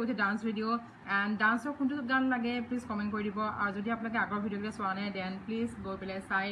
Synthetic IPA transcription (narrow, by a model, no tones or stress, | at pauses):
utʰɛdansbʱidio | ɛndansɔɹkʰuntuɡanlaɡɛpliskɔmɛ̃ntkoɹidibɔa̰ɹzodiapnalɔk̬ɛaɡɔɹbʱidiokilɛsʊanadɛnplisɡojpelɛsaj